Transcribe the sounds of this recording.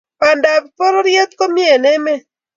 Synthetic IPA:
pa˨nda˨bpo˦ɾɔ˦ɾje˦t̪̚ko˦mi˦e˨nɛ˦mɛ˦

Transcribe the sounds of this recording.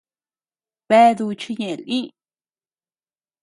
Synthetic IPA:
bɛ˦d̪u˧t͡ʃi˦ɲe˨lʔĩ˦

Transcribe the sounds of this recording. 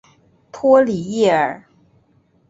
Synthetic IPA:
t̪ʰwɔ˥li˨˩˦jɛ˥˩ə˞˨˩˦

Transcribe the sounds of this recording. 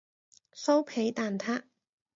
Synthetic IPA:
so˥wpʰe˨˥jt̪aː˨nt̪ʰaː˥

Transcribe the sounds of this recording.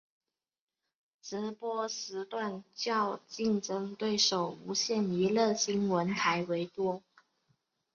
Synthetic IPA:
ʈ͡ʂɻ̩˧˥pwɔ˥ʂɻ̩˧˥t̪wa˥˧nt͡ɕjɑ˥˧ʊt͡ɕi˥˩nʈ͡ʂɤ˥ŋt̪we˥˩ɪʂo˨˩ʊu˧˥ɕjɛ˥˩ni˧˥lɤ˥˩ɕi˥nwə˧˥nt̪ʰa˧˥ɪwe˧˥ɪt̪wɔ˥

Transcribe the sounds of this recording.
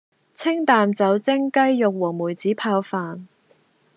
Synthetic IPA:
t͡sʰɪ˥ŋt̪aː˨mt͡sɐ˨˥wt͡sɪ˥ŋkɐ˥jːʊ˨k̚wɔː˨˩ŋmuː˨˩jt͡siː˨˥pʰaː˧wfaː˨n

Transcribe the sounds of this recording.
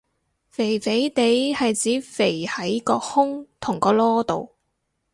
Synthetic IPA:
fe˨˩jfe˨˥jt̪e˨˥jhɐ˨jt͡siː˨˥fe˨˩jhɐ˨˥jkɔː˧hʊ˥ŋt̪ʰʊ˨˩ŋkɔː˧lɔː˥t̪o˨w

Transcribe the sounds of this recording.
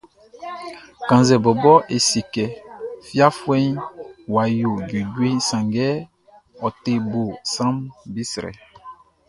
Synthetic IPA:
kã˨nzɛ˨bɔ˨bɔ˦ʔe˨si˨kɛ˨fja˦fwɛ̃˦ɲ˦wa˨ju˨d͡ʒu˨ɟwi˦sã˨ŋɡɛ˦ | ɔ˨te˨bo˨sã˦mbi˦sɾɛ̰˨

